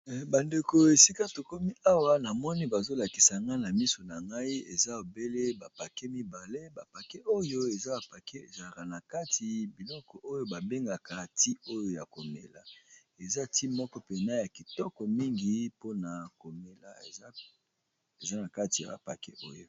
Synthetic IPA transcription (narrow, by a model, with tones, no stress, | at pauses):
ba˨nde˨ko˨e˨si˦ka˦to˨ko˦mi˦a˦wa˦na˨mɔ˦ni˦ba˨zo˦la˨ki˨sa˨ŋɡa˦na˨mi˦so˨na˨ŋɡa˦i˦e˨za˦o˨be˦le˦ba˨pa˨ke˦mi˦ba˨le˦ba˨pa˨ke˦ʔo˦jo˦e˨za˦a˨pa˨ke˦e˨za˨ka˨na˨ka˦tʰi˨bi˨lɔ˦kɔ˨ʔo˦jo˦ba˨be˦ŋɡa˨ka˨ti˦o˦jo˨ja˨ko˨mḛ˨la̰˨ | e˨za˦ti˦mɔ˦kɔ˦pe˨na˦ja˨ki˨tɔ˦kɔ˨mi˦ŋɡi˨po˦na˨ko˨me˨la̰˨˦ | e˨za˦na˨ka˦ti˨a̰˨ba̰˨pa̰˨kḛ˦ʔo̰˦jo˦